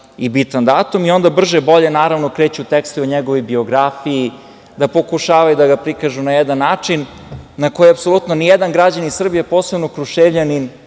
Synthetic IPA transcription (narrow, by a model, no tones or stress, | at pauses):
ibit̪and̪aːt̪umio̞nd̪abr̩ʒebo̞ʎenaːɾaʋnokɾeːt͡ɕut̪ɛkst̪ioɲeɡoʋojbio̞ɡɾafiji | d̪apo̞kuʃaːʋajud̪aɡapɾikaʒunajɛd̪anːaːt͡ʂinː | ako̞jiapso̞lˠut̪nonijɛd̪anɡɾad͡ʑanisr̩bijapoːsebnokɾuʃeʋʎʲanin